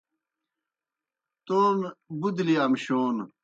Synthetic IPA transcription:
t̪oːnbud̪liɐmɕoːn

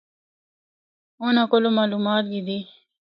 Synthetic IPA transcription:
onakolomaːlumaːt̪̚ɡid̪i

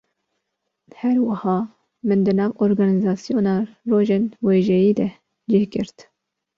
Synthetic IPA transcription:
hɛɾwɑhɑː | mɨnd̪ɨnɑːvoːɾɡɑːnizɑːsijoːnɑːroːʒeːnweːʒɛjiːd̪ɛ | d͡ʒeːhkɪɾt̪

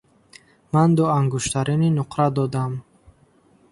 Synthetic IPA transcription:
mand̪uaŋɡuʃt̪ʰaɾininuqʰɾad̪ɔd̪am

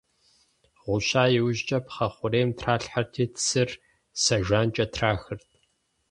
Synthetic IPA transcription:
ʁʷʊɕaːjɪwʑt͡ʃʼɐpχɐχʷʊɾeːmtʰraːɬħartʰiːtʰsɨr | sɐʒʷaːnt͡ʃʼɐtʰraːxɨrtʰ

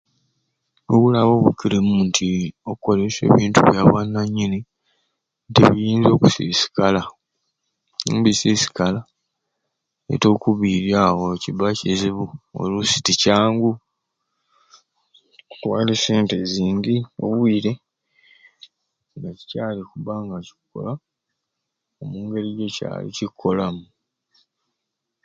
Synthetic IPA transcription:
oβulaβo̞ːβukːiɾemuːntʰio̞kkːo̞lese̞̰ːβiːntuβjaβwanːaɲːini | ntḛβijiːnzo̞kusiːsi̥kala | mbisiːsi̥kala | ḛto̞ːkuβiɾjaːwocibaceziβuo̰lusi̥ticaːŋɡu | utwaːleseːnteziːŋɡio̞̰βwiːɾe̞ | ŋɡaci̥caːlikuβaːŋɡaci̥kːo̞̰la | omuːŋɡe̞ɾiɟeca̰ːlḭcikʰːo̞lamu

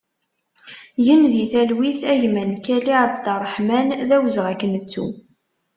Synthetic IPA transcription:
jənðiθælwiθæʝmænkæliʕəbt̪ərˤːəħmænðæwəzʁækːənət͡sːṵ

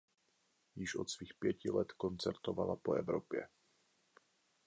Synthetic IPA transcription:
jɪʃʔo̞t̪sviːxpjɛcɪlɛt̪kont͡sɛɾt̪ovalapoɛvɾopjɛ̰

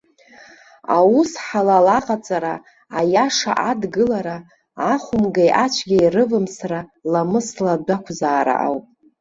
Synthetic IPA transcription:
awusħalalaqʼat͡sʼaɾaː | jaʂa̰ʔadɡɨlaɾa | aχʷʊmɡajʔat͡ʃʷʰɡʲajrɨvɨmsralamɨsladakʷʰzaːɾa̰ʔa̰wpʼ

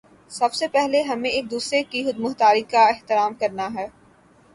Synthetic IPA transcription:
sɐbsepɛɦleɦɐmẽeːk̚d̪uːsɾekiɦʊd̪mʊxt̪aːɾikaɪɦt̪ɪɾaːmkɐɾnaɦɛː

